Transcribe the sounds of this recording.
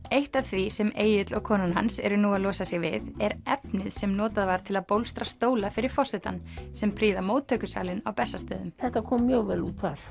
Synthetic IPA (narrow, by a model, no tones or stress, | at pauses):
eht̪avθʰvisɛmeːjɪt̪lɔɣkʰɔːnanɦa̰nsɛ̰ɾʏnuːaðlɔːsasɪɣvɪ̰ðɛɾɛpnɪðsɛmnɔːt̪aðvaɾ̥t̪ʰɪlaðpowlst̪ɾast̪oːwlafɪɾɪɾ̥fɔsɛt̪a̰nsɛmpʰɾiːðamoːwt̪ʰːœːkʏsa̰ːlɪnawpɛsːast̪œːðʏmθɛht̪akʰɔːmːjœɣvɛluːt̪θaɾ̥